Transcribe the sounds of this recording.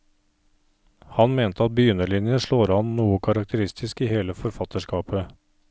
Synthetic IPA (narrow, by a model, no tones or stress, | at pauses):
hɑnmeːnt̪ʰəɑt̪̚bʏjʏnəɭɪnjəʂɭoːɾɑnnuːəkʰɑɾɑk̚t̪ʰəɾɪst̪ʰɪskiːheːləfɔɾfɑt̪əʂkɑːpə